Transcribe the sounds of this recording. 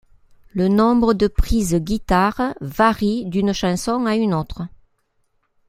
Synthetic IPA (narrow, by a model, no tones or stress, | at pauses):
lənɔ̃bʁəd̪əpχizəɡʲit̪aʁəvaʁid̪ynəʃɑ̃sɔ̃ŋaynot̪χə